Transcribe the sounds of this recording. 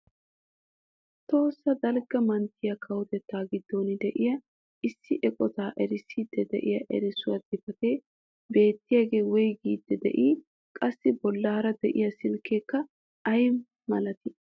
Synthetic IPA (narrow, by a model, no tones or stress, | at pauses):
t̪o̞ːsːɐd̪ɐlɡɐmɐnt̪ːɪjɐkʰɐwɔt̪ɛt̪ːaːɡɪd̪ːonɪd̪ɛʔɪjɐ | ɪsːɪʔɛkʼɔt̪aːʔɛɾɪsiːd̪ːɛd̪ɛ̰ʔɪjɐʔɛ̰ɾɪsʊwɐd̪ɪpɐt̪eː | be̞ːt̪ːɪjaɡe̞ːwɔjɡiːd̪ːɛd̪ɛ̰ʔiː | kʼɐsːɪbɔlːaːɾɐd̪ɛʔɪjɐsɪlkeːkːɐ | ɐjm | mɐlɐt̪ɪ